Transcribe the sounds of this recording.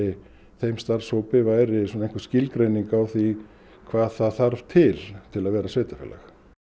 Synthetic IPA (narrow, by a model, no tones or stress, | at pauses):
ɪ | θejmst̪aɾ̥soːwpɪvajɾɪsɔneŋ̥kvascɪlkɾejniŋkawθi | kʰvaːðθaðθaɾv̥t̪ʰɪlt̪ʰɪlaðvɛːɾasveːjt̪afɛ̰la̰x